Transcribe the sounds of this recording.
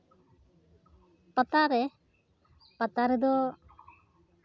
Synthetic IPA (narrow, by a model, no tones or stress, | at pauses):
pət̪aɾɛ | pət̪aɾɛd̪ɔ